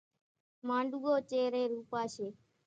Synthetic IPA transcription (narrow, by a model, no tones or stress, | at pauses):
mãːɳɖuɡoːt͡ʃeːɾeːɾuːpaːʃeː